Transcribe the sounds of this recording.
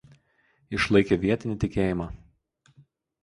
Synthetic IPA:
ɪʃlˠɐɪkʲeʋʲiɛt̪ʲɪnʲɪˑt̪ʲɪkʲeːjɪmɑː

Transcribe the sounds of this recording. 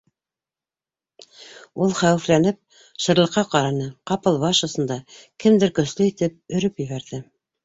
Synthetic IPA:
ulˠχæwɘ̆flænɘp̚ | ʃɤ̆ɾlˠɤ̆qːɑqɑɾɑnɤqɑpɤlˠβɑʃɤ̆sɤ̆nd̪ɑkɘmd̪ɘɾkɵ̆slɵit̪ɘp̚ɵ̆ɾɵpjɵ̆βæɾðɘ

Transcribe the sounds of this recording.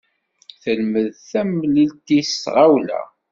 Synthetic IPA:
θəlməðθæmlilt̪isʁawlæ̰

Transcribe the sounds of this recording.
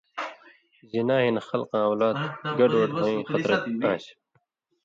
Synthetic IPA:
zinaːɦinxɐlqɑ̃ːwlaːt̪ɡɐɖwɐʈmɐ̃ĩxɐɾɐt̪̚ãːɕ

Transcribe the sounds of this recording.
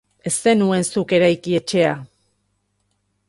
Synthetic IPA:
e̞st̪e̞nue̞nsuke̞ɾajkie̞t͡ʃe̞a

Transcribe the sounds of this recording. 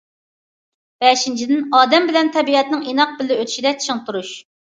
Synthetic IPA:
b̥ɛʃint͡ʃʰid̪ɪnɑːd̪ɛmbɪlɛnt̪ʰɛbiɛt̪nɪŋinɑq̚bɪlːɪøt̪ʰy̥ʃid̪ɛt͡ʃʰiŋt̪uɾuʃ

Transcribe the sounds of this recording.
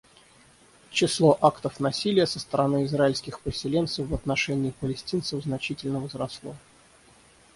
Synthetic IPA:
t͡ɕɪslˠoʔakt̪əfnɐsʲilʲɪjəsəst̪əɾɐnɨɪzraɪlʲskʲɪxpɪsʲɪlʲe̞nt̪səfvɐt̪nɐʂɛnʲɪːpəlʲɪsʲtʲint̪səvznɐt͡ɕitʲɪlʲnəvəzɾɐslˠo

